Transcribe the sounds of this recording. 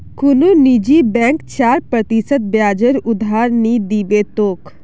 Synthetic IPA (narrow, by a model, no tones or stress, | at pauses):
kʊnonid͡ʒibɛ̃ːŋkt͡ʃaːɾpɾət̪isət̪̚bjaːd͡ʒəɾʊd̪ʱaːɾnid̪iːbet̪oːk